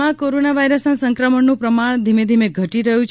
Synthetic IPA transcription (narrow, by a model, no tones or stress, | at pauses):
ãkoɾonaʋajɾəsnasəŋkɾəməɳnũpɾəmaɳ̃d̪ʱimed̪ʱimeɡʱəʈiɾəɦũt͡ʃʰ